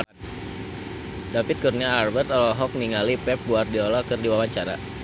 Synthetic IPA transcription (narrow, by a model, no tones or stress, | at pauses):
dapɪt̪̚kurniaːrbɛrt̪ɔlɔɦɔk̚niŋalipɛp̚buardiɔlakɨrdiwawaɲt͡ʃaɾa̰